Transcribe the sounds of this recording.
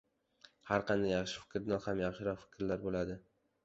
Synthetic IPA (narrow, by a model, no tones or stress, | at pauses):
haɾqʰɑnd̪ajɑχʃɪ̥fɪ̥kʲɾɪd̪anhamjɑχʃɪɾɒqfɪ̥kʲɾlaɾbolad̪ɪ